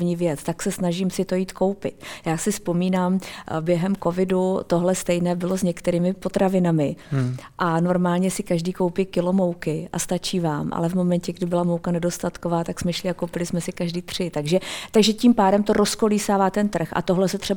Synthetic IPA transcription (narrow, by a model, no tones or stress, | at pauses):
vɲiːvjɛt͡st̪aksɛsnaʒiːmsɪt̪o̞jiːt̪ko̞wpɪ̰t̪̚jaːsɪspo̞miːnaːmbjɛɦɛmko̞vɪdut̪o̞ɦlɛst̪ɛjnɛːbɪlozɲɛkt̪ɛɾiːmɪpo̞t̪ɾavɪnamɪʔano̞ɾmaːlɲɛsɪkaʒdiːkowpikɪlo̞mo̞wkɪʔa̰st̪at͡ʃiːvaːmʔa̰lɛvmo̞mɛncɛɡdɪbɪlamowkanɛdost̪at̪kovaːt̪aksmɛʃlɪakowpɪlɪsmɛsɪkaʒdiːt̪r̝̥ɪt̪aɡʒɛt̪aɡʒɛciːmpaːdɛmt̪o̞ɾʔo̞sko̞liːsaːvaːt̪ɛnt̪r̩xʔa̰t̪o̞ɦlɛsɛt̪r̝̥ɛ